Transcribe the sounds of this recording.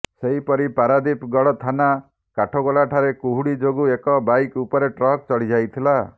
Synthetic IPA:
seɦipɔɾipaɾad̪ipɡɔɽɔt̪ʰana | kaʈʰɔɡɔlaʈʰaɾekuɦuɽid͡ʒoɡuekɔbajkupɔɾeʈɾɔɦk̚t͡ʃɔɭid͡ʒajt̪ʰila

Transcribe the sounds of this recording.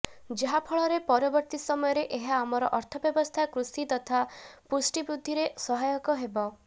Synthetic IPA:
d͡ʒeɦapʰɔɭɔɾepɔɾɔbɔɾt̪isɔmɔjɔɾeʔeɦaːmɔɾɔʔɔɾt̪ʰɔbjɔbɔst̪ʰakɾusit̪ɔt̪ʰapusʈibɾud̪ʱːiɾesɔɦajɔkɔɦebɔ

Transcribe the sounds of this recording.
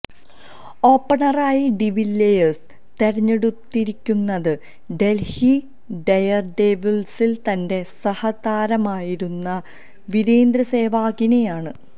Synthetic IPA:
o̞ːpːɐɳɐraːjiɖiʋilːejɐs | t̪e̞ɾɐɲːeɽut̪ːiɾikʲːunːɐðɨ | ɖe̞lhi | ɖɐjɐrɖeːbilsilt̪ɐnde̞sɐhɐd̪aːɾɐmaːjiɾunːɐ | ʋiɾeːnd̪ɾɐse̞ːʋaːɣine̞jaːɳɨ

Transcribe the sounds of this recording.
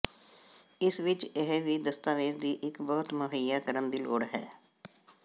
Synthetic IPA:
ɪsʋɪt͡ʃeɦʋiːd̪əst̪aːʋeːɾd̪iːʔɪkbɔːt̪məɦəjaːkəɾənd̪iːlo̰ːɽɦɛ̰ː

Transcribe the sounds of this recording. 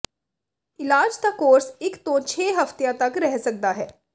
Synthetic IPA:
ɪlaːd͡ʒd̪aːkoːɾsɪkt̪õːt͡ʃʰeːɦəft̪jãːt̪əkɾɛɦsək̚d̪aːɦɛː

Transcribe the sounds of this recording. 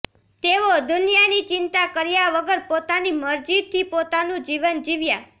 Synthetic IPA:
t̪eʋod̪ʊnijanit͡ʃɪnt̪akəɾjaʋəɡəɾpot̪animəɾd͡ʒid̪t̪ʰːipot̪anũd͡ʒiʋənd͡ʒiʋja

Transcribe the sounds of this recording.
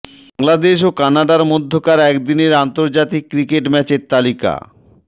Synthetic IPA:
baŋlad̪eʃokanaɖaɾmod̪ʱːokaɾɛkd̪ineɾant̪oɾd͡ʑat̪ikːɾikeʈmɛt͡ɕeɾt̪alika̰

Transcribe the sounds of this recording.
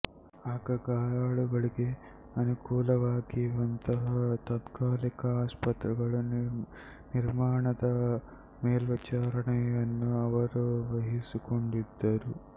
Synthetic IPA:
ɐkɐɡaːlaːɭuɡɐɭiɡe | ɐnukuːlɐʋaːkiʋɐnt̪ɐt̪ɐt̪kaːlikɐaːspɐt̪ɾiɡɐɭu | niɾmaːɳɐt̪ɐ | meːlʋɐt͡ʃaːɾɐɳɐɐnːuɐʋɐɾuʋɐɦisukuɳɖid̪ːaːɾu

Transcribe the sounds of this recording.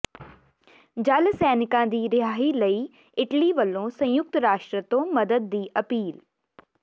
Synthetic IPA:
d͡ʒəlsɛːnɪkãːd̪iːɾɪaːɦiːləiː | ɪʈliːʋəlːõːsə̃jʊk̚t̪ɾaːʃʈɾət̪õːməd̪əd̪̚ːiːʔəpiːl

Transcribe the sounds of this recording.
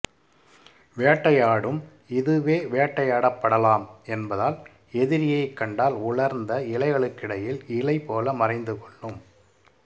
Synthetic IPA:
ʋeːʈːɐjaːɽɯm | ɪðɯʋeːʋeːʈːɐjaːɽɐpːɐɽɐlaːmɛnbɐðaːl | ɛðɪɾɪjɐɪkːɐɳɖaːlʊɭɐɾnd̪ɐɪɭɐɪɣɐɭɯkːɪɽɐjɪlɪɭɐɪpoːlɐmɐrɐɪnd̪ɯkɔɭːɯm

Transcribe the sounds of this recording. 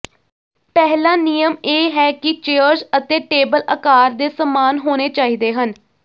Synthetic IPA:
pɛɦlãːnijəmeːɦɛːkɪt͡ʃeːəɾzət̪eːʈeːbələkaːɾd̪eːsəmaːnɦoːneːt͡ʃaːiːd̪eːɦən

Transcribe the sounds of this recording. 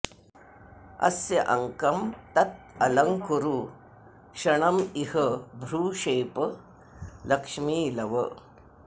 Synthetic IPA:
ɐ̰sjɐʔɐŋkɐmt̪ɐt̪̚ɐlɐŋkuɾuː | ɕɐɳɐmihəbʱɾuːɕeːpə | lɐkʂmiːlɐʋə̰

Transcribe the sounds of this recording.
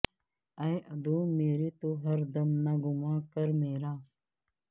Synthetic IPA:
ɐjʔɐd̪oːmeːɾiːt̪oɦɐɾd̪ɐmnaɡʊmaːɽkəɾmeːɾaː

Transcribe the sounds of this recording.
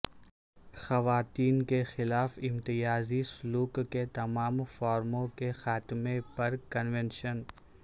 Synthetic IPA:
xɐʋaːt̪iːnkexɪlaːfɪ̃mt̪ɪjaːzisʊluːkːet̪ɐmaːmfaːɾmõkexaːt̪mepɐɾkɐnʋẽnʃən

